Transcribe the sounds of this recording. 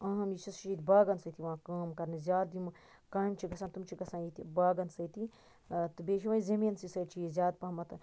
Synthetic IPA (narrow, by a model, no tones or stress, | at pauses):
ɐ̃ɦɐmjit͡ʃʰɐst͡ʃt͡ʃit̪ʲibaːɡɐnsɐt̪ʰiʋãːkaːmkɐɾnizʲjaːd̪d̪im | kaːimt͡ʃʰiɡɐsãːt̪umt͡ʃʰiɡɐsãːjit̪ibaːɡɐnsɐjt̪i | t̪ɨbeːʃ̬iʋãːizɐmiːnsisɐːt͡ʃʰijizʲaːd̪̚pɐɦmɐt̪